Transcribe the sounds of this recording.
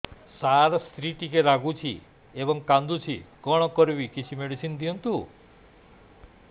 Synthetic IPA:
saɾɔst̪ɾiʈikeɾaɡut͡ʃʰḭ | ebɔŋkand̪ut͡ʃʰikɔɽ̃ɔkɔɾbikit͡ʃʰimeɽisind̪iɦɔnt̪u

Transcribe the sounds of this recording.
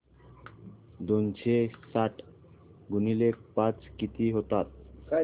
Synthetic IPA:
d̪ont͡ɕʰesaʈ | ɡunilekpãt͡ɕkit̪iɦot̪at̪̚

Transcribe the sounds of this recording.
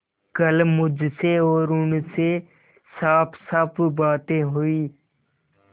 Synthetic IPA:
kəlmʊd͡ʒʱseɔːɾʊnse | saːpʰsəpʰbaːt̪ẽɦʊiː

